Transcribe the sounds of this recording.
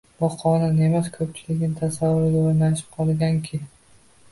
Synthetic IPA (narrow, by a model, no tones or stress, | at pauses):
bɒqʰɒnɪnemaskʰɵp̚t͡ʃʰɪlɪkʲnɪt̪ʰasavːʊɾɪɡʲaoɾnaʃɪ̥p̚qʰɒlˠɡʲaŋkʲʰɪ